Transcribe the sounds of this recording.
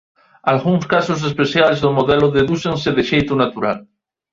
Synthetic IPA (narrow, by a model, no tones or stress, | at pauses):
alɣuŋskasos̬espeθjalezðomoðeloðeðuθenseðeʃejt̪unat̪uɾa̰l